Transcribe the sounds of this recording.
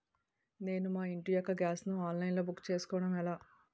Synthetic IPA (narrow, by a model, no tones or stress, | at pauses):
ne̞ːnumaːiɳʈijɔkːɐɡʲaːsnuaːnlɐjnlo̞ːbukːt͡ʃe̞ːsu̥kɔːʋɐɽɐmɛlaː